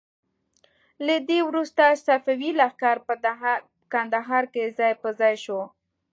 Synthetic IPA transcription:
lad̪ewɾust̪asafawilaxkɑɾ | kand̪aɦɑɾkezɑjpəzɑjʃo

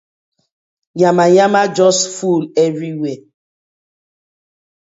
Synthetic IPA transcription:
jamajamad͡ʒɔsfulɛvɹiwe

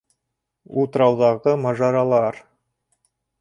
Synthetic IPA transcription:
ulˠt̪ɾɑwðɑʁɤmɑʒɑɾɑlˠɑɾ

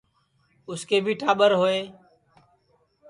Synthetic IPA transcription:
ʊskeːbʱiːʈaːɓəɾɦoːeː

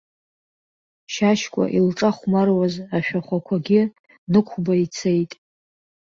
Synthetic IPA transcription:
ʃaʃkʷʼa̰ʔilʈ͡ʂʼaχʷmarwazaʃᶣaχʷakʷʰaɡʲɪ | nɨkʷʰbait͡sʰejtʼ

